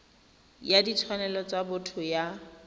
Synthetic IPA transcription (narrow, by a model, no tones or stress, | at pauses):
jaditʰwanɛlɔt͡sabʊtʰʊja